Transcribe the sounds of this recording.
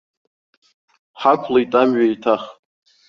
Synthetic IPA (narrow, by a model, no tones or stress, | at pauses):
ħakʷʰlaitʼamɥaitʰaχʼ